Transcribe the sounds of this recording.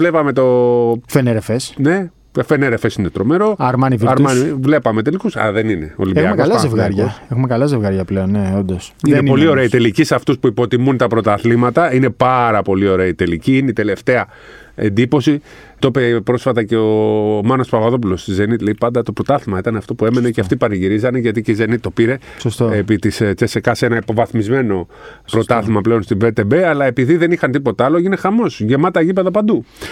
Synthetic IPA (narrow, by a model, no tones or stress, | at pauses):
vle̞pɐme̞t̪o̞feneɾefesne̞ | fe̞neɾefe̞sinet̪ɾo̞me̞ɾo̞ɐɾmɐniviɾmɐnivle̞pɐme̞t̪e̞likusɐ̰ðe̞nine̞o̞̰libexɐmekɐlɐzevɣɐɾɐsexumekɐlɐzevɣɐɾʝɐpleonneond̪osienpo̞lio̞ɾeɐit̪e̞licisɐft̪uspuipo̞t̪imunt̪ɐpɾo̞t̪ɐθlimɐt̪ɐine̞pɐɾɐpo̞lio̞ɾe̞ɐit̪e̞liciineit̪e̞le̞ft̪e̞ɐ | e̞̰nd̪ipo̞si | t̪opepɾo̞sfɐt̪ɐce̞omɐno̞spɐɣɐðo̞p̬ulo̞st̪ize̞nit̪le̞ipɐnd̪ɐt̪o̞pɾo̞t̪ɐθimɐit̪ɐneɐft̪o̞pue̞me̞neceɐft̪ipɐɾiʝiɾizɐne̞ʝɐt̪iceize̞nit̪ːo̞piɾe̞ | ssepit̪ist͡sesekɐsenɐipo̞vɐθmizme̞no̞pɾo̞t̪ɐθimɐple̞o̞nst̪ibet̪ebeɐlɐe̞piðiðe̞nixɐnt̪ipo̞t̪ɐloine̞xɐmo̞sʝemɐt̪ɐʝipe̞ðɐpɐnd̪u